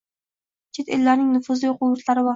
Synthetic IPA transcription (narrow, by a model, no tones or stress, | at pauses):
t͡ʃʰe̞t̪elːaɾnɪŋnʊfʊzlɪjoqʊʊɾt̪ʰlaɾɪvɒ